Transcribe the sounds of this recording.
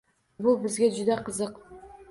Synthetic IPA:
bulˠbɨzɡʲed͡ʒʊd̪ɑqəzəq

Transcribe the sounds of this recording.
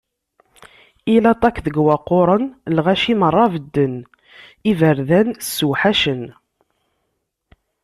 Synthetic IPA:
ilɑt̪ˤɑkðəɡwɑqːoɾˤənlʁæʃimərˤːɑvəd̪ːən | ivəɾðænsːuħaʃən

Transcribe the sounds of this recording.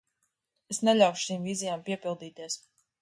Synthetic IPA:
esnɛlʲawʃu̥ʃiːmvizijaːmpiɛpilˠd̪iːt̪iɛs

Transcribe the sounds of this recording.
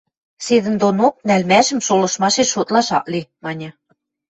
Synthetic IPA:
sed̪ɘ̆nd̪onok̚nælmæʒɘ̆mʃolɤ̆ʃmɑʃeʃot̪lɑʃɑ̰ʔlimɑnʲɤ̆

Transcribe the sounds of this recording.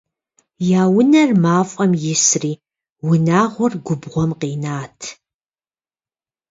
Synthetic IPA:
jaːwʊnɐrmaːfʼɐmjɪsriː | wʊnaːʁʷɔrɡʷʊbʁʷɔmqiːnaːtʰ

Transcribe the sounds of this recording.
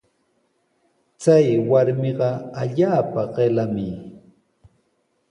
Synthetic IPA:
t͡sajwaɾmɪɢɑaʎaːpaɢelamɪ

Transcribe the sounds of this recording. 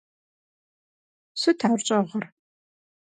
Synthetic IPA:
sɨtʰaːrt͡ʃʼɐʁɐr

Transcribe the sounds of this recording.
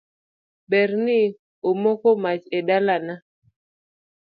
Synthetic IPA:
bɛɾnɪ | omɔkɔmat͡ʃedalana

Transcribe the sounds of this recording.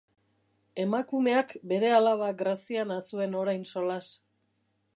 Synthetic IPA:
e̞makume̞akbe̞ɾe̞alaβaɡɾasianasue̞no̞ɾajnso̞las

